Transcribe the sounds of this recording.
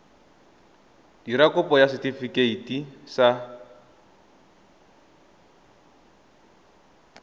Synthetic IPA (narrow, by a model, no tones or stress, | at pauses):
diɾakʊpɔjasɪtifikʼeitʼisa